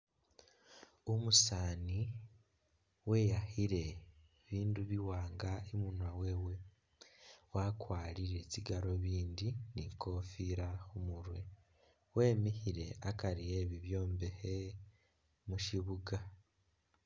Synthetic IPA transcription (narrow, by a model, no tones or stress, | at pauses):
omusaːni | we̞ːjahiɾe̞ | βiːnduβiwaːŋɡaemunwawe̞we̞ | wakwaːɾiɾe̞ciɡaɾo̞βiːndinikʰo̞fiɾaomuɾwe̞ | we̞ːmihiɾe̞akaɾije̞βiβjo̞ːmbehe | muʃiβuɡa